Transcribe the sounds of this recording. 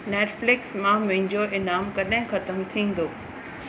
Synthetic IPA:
neːʈflɪksmãmɐ̃ɦɪ̃ɲd͡ʑoʔɪnaːmkɐɗɦɪ̃xɐt̪əmt̪ʰĩːn̆d̪oː

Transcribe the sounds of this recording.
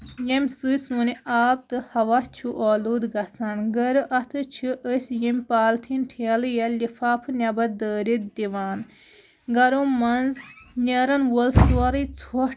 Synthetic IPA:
jɐmʲsɨjsuniaːb̚t̪ɨhɐʋɐt͡ʃʰuʔoːluːd̪ɡɐt͡sʰanɡɐɾɨʔɐt̪ʰɨt͡ʃʰɨʔəsʲjɐmʲpaːlt̪ʰinʈʰiɐlɨjɐlifʰaːpʰɨnʲɐbɐd̪əːɾit̪̚d̪iʋaːn | ɡɐɾomɐnznʲɐɾɐnwəlsuɐɾɨt͡sʰo

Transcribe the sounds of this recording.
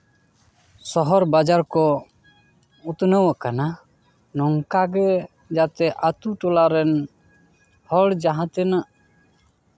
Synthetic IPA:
sɔɦɔɾbad͡ʒaɾkɔ | ut̪nəwəkana | nɔŋkaɡɛ | d͡ʒat̪ɛʔat̪uʈɔlaɾɛn | hɔɽd͡ʒaɦãt̪ɛnaʔ

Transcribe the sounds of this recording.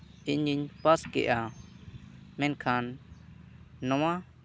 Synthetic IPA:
iɲiɲpaskɛ̰ʔa | mɛ̃nkʰan | ɔwã

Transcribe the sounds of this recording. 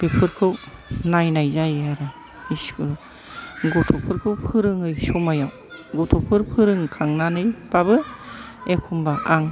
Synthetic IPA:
b̥ipʰɯɾkʰɯwnajnajzajaɾɯ | iskʰɯ | ɡɔtʰopʰɯɾkʰɯwpʰɯɾɯŋɯjsumajaw | ɡɔtʰopʰɯɾpʰɯɾɯŋkʰaŋnanɯjb̥abɯ | ekʰumbaʔaŋ

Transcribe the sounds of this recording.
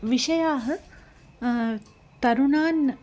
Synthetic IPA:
ʋiʃɐjaːɦə̆ | t̪ɐɾunaːn

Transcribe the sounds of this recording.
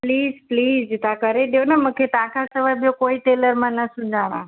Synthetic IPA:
pliːzpliːzɪt̪ãkəɾeɗijonəmũːkʰet̪ãkʰãsəʋabijokoːiʈeːləɾmãnɐsʊ̃ɲd͡ʑaɽ̃ã̰

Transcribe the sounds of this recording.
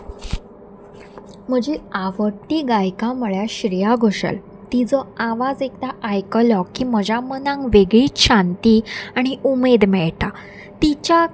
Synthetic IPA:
m̤əd͡ʑeaʋəʈːiːɡajkãməɭjaɕɾijaɡʱoɕə̰l | t̪id͡zɔaʋad͡zekt̪aʔːjkəlɔkːiməd͡ʑamənãŋɡʋeɡɭiːtɕãnt̪iːaɽ̃iʔumed̪mɛɭʈa | t̪it͡ɕa

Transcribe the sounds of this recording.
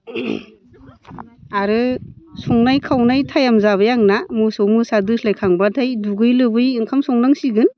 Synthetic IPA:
aɾɯsɔŋnajkʰawnajtʰajamzaβajaŋnamɯsɔmɯsadɯslajkʰaŋbatʰajduɡɯjlɯbɯjɯŋkʰamsɔŋnaŋsiɡɯn

